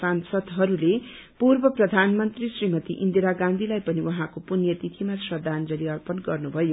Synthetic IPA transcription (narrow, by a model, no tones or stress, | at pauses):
sansʌd̪ɦʌɾule | purbʌprʌd̪ʱanmʌnt̪risrimʌt̪iʔind̪iɾaɡãnd̪ʱilajpʌniwʌɦãkopunjʌt̪it̪ʰimasʌd̪ʱand͡zʌliʌrpʌnɡʌrnubʱʌjo